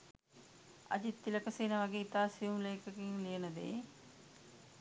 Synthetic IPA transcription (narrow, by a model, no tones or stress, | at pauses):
a̰d͡ʒit̪ːiləkəseːnəʋaɡeit̪aːsijumləjkəkiŋlijənəd̪ḛː